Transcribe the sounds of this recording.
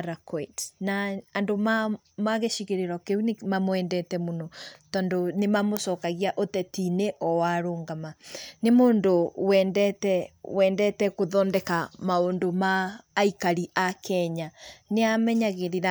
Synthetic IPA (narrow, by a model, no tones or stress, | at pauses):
ɾakɔetnaːndoma | maɣeʃiɣeɾeɾɔkeunemamwɛːndɛtɛmonɔtɔndonemamosɔkaɣiaʔotɛtineʔɔwaɾoːŋɡamanemoːndowɛndɛtɛwɛːndɛtɛkoðɔːndɛkamaondomaːikaɾiʔakʰɛɲaneamɛɲaɣeðeɾa